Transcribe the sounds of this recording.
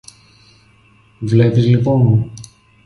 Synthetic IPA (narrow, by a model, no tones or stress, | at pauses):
vlepizliponmu